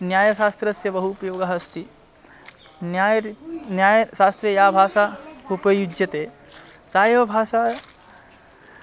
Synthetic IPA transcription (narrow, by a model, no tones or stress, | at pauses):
njaːjɐʃaːst̪ɾɐsjɐbɐɦuːpɐjoːɡaɦɐst̪i | njaːjnjaːjɐʃaːst̪ɾɐjaːbʱaːʃaːupɐjud͡ʒjɐt̪eː | saːjɐʋɐbʱaːʃaː